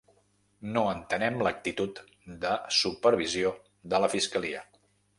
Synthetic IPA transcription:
noənt̪ənɛmlək̚t̪it̪ut̪ | d̪əsupəɾβ̞izio | d̪ələfiskəliə

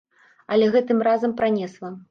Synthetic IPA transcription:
ɐlʲɛɣɛt̪ɨmrazɐmpɾanʲɛslˠɐ

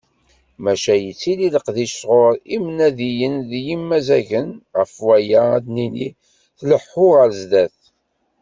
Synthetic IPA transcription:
mæʃæjət͡sːililəqðiʃʁʊɾimnæðijənðjimːæzæʝənʁəfwæjææd̪nini | θləħːʊʁəɾzd̪æθ

